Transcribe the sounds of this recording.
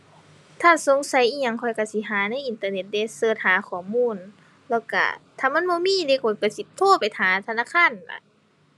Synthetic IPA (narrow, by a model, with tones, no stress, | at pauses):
t̪ʰaː˧˥˨so˧˦ŋsa˨˦jʔiː˧˨ɲa˧˨ŋkʰɔ˧˩jka˧˩si˧˦ɦaː˨˦na˧˥˨ʔi˨˧˨nt̪aː˧ne˧˩t̪̚da˧˨sɤː˧˩t̪̚haː˨˦kʰɔː˨˩˦muː˧˥˨n | lɛ˧˩wka̰˧˩t̪ʰaː˧˨ma˧˥˨nbɔː˧˦miː˧˥˨de˧˦kʰɔ˨˩jka˧˩si˧˦t̪ʰoː˧˥˨pa˨jt̪ʰaː˨˦t̪ʰa˧naː˧˥˨kʰaː˧˥˨n˨la̰˧˦